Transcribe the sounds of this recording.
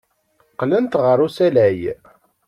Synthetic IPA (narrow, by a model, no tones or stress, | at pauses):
qlənt̪ʁəɾˤusælæj